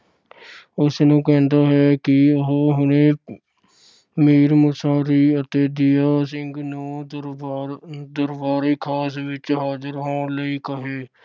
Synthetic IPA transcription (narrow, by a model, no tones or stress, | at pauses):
ʊsnõːkɛːnd̪aːɦɛːkɪɦɦʊneː | miːɾmʊsaːɾiət̪eːd̪ijaːs̬ɪ̃ŋɡnõː | d̪əɾbaːɾeːkʰaːs̬ʋɪt͡ʃɦaːd͡ʒəɾɦãːləikəɦeː